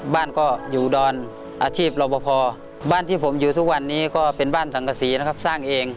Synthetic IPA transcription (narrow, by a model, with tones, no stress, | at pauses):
baː˥˩˨nkɔː˧˩juː˨˩dɔː˧n | ʔaː˧t͡ɕʰiː˥˩p̚la˧wbɔː˧pʰɔː˧ | baː˥˩˨nt̪ʰiː˥˩pʰo˩˦mjuː˨˩t̪ʰu˦˥k̚wa˧nːiː˧˥˨kɔː˧˥˩pe˨nbaː˥˩nsa˨˦ŋka˧siː˨˦na˧˥˩kʰa˧˥p̚saː˧˥˩ŋʔeː˨˧ŋ